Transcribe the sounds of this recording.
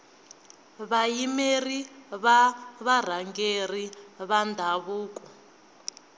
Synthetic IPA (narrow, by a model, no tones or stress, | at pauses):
βajimeriβaβar̤aŋɡeriβandʱaβuːk̬ʼɔ